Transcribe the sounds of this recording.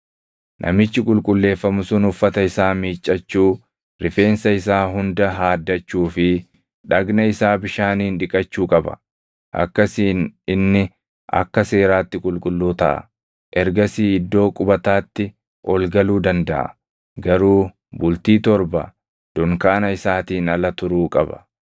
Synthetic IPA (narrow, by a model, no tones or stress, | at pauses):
nʔɐ̰mɪt͡ʃːɪkʼʊlkʼʊlːe̞ːfːɐmʊsʊnʊfːɐt̪ɐɪsaːmiːt͡ʃʼːɐt͡ʃːuː | ɾɪfe̞ːnsɐɪsaːɦʊnd̪ɐɦaːd̪ːɐt͡ʃːuːfɪ | ᶑɐɡnɐɪsaːbɪʃaːniːnᶑɪkʼɐt͡ʃːuːkʼɐbɐ̥̰ | ʔɐ̰kːɐsiːnɪnːɪ | ʔɐ̰kːɐse̞ːɾaːt̪ːɪkʼʊlkʼʊlːuːt̪ɐ̰ʔɐ̰ | ʔɛɾɡɐsiːɪd̪ːo̞ːkʼʊbɐt̪aːt̪ːɪ | ʔɔlɡɐluːd̪ɐnd̪ɐʔɐ̰ | ɡɐɾuː | bʊlt̪iːt̪ɔɾbɐ | d̪̥ɔŋkaːnɐɪsaːt̪iːnɐlɐt̪ʊɾuːkʼɐbɐ̥̰